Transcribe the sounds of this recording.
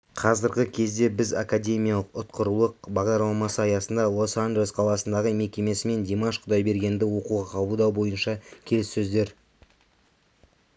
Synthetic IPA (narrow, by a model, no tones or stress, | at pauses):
qʰɑzəɾɡʲɪkʲʰe̞zd̪e̞bɪzakadʲe̞mʲijalˠəqʊt̪qəɾulˠəq̚bɑʁd̪ɑɾlˠɑmɑsəɑjɑsənd̪ɑlˠosand͡ʒelesqʰɑlˠɑsənd̪ɑʁəme̞kʲe̞me̞sɪme̞nd̪ʲemaʃqʰʊd̪ɑjbe̞ɾɡʲe̞nd̪ɪwo̞quʁɑqʰɑbəlˠd̪ɑwbo̞jənʃɑkʲʰe̞lɪsːɵzd̪e̞ɾ